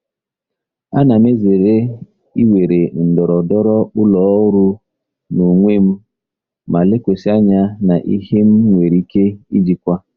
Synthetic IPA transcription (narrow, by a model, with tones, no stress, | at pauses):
a˦na˨me˦ze˨ɾe˦ | i˦we˨ɾe˨n̩˨dɔ˨ɾɔ˨dɔ˦ɾɔ˦k͡pʊ˦lɔ˨˦ʊ˦ɾʊ˦ | nu˨ŋʷe˦m̩˦ | ma˨le˦kʷe˨si˦a˦ɲa˦na˨ʔḭ˦he˦m̩˦ŋʷe˨ɾi˦ke˦i˦d͡ʒi˨kʷa˦